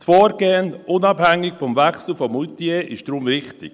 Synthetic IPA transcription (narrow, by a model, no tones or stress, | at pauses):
tfɔːɾɡ̥eːənʔʊnɑbhæŋːɪkfɔmvæχsl̩fɔmut̪ieːʔɪʃd̥ɾʊmvɪχtɪ̰k